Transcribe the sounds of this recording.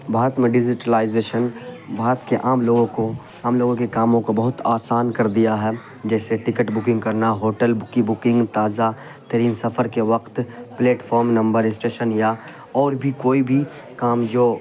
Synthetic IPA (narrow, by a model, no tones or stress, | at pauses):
bʱaːɾət̪mẽɖɪd͡ʒɪʈəlaːɪzeːʃənbʱaːɾət̪keʔaːmloːɡõko | aːmloːɡõkekaːmõkobɐɦʊt̪aːsaːnkɐɾd̪ijaɦɛ | d͡ʒɛːseʈɪkəʈbʊkɪ̃ŋɡkɐɾnaɦoːʈəlkibʊkɪ̃ŋɡt̪aːza | t̪ɐɾiːnsɐfʰəɾkeʋɐqt̪pleːʈfʰɔːɾmnɐ̃mbəɾɪsʈeːʃənja | ɔːɾbʱikoːibʱi | kaːmd͡ʒoː